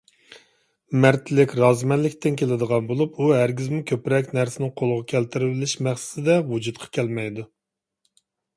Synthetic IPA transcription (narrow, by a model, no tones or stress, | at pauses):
mæɾt̪ʰɪlɪkʲɾɑzmɛnlɪkʲt̪ɪnkʲʰelɪd̪əʁɑnbolˠupuɦæɾɡʲizmɪkʲʰøpɾɛkʲnæɾsɪnɪŋqʰolˠəʁɑkʲʰɛlt̪ɪɾɪbɪlɪʃmæχsɪ̥t̪ɪd̪ɛwud͡ʒut̪̚qʰɑ̥kʲʰɛlmɛjd̪u